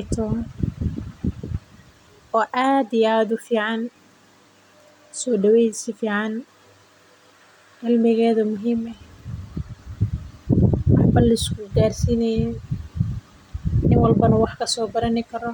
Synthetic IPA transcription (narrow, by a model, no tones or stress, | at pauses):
t̪ʰɔ | ɔːʔaːd̪ɪjaːd̪ʊfiːʕɑn | sɔːɖɐwɛjsɪfiːʕɑn | ʕɪlmɪɣɛːðɐmʊɦiːmɛh | ʔɑħbɐlɐɪskʰʊɡaːrsiːnɛjn | ʔɪnwɑlbɐnɐwɑħkʰɐsɔːbɐɾɐnɪkʰɐɾɔ